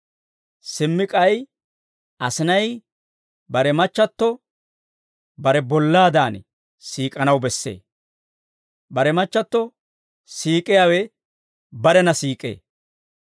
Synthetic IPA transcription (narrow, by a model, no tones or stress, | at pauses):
sɪmːɪkʼɐj | ʔɐsɪnɐj | bɐɾɛmɐt͡ʃːɐt̪ːɔ | bɐɾɛbɔlːaːd̪aːn | siːkʼɐnɐwbɛsːḛː | bɐɾɛmɐt͡ʃːɐt̪ːɔ | siːkʼːɪjaːwɛ | bɐɾɛnɐsiːkʼːḛː